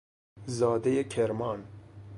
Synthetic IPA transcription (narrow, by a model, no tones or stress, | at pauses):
zɑːd̪ejekʰeɾmɑːn